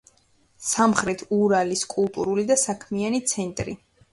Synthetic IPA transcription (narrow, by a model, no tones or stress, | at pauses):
samχɾɛt̪ʰuɾaliskʼulˠt̪ʼuɾulid̪asakʰmianit̪sʰɛnt̪ʼɾi